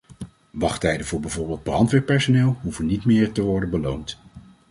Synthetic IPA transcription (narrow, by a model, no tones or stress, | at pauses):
ʋɑχtɛjdəvʊːɹbɛvʊɹbɪːlˠd̚brɑntʋɛːpːɛɹsonɪːlˠɦuvənːitmɪːɹtəʋɔɹdənbəlownt